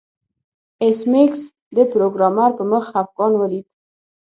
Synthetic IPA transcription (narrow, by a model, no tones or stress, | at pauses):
ɪsmeks | d̪əpɾoɡɾɑmaɾpəməxafɡɑnwəlid̪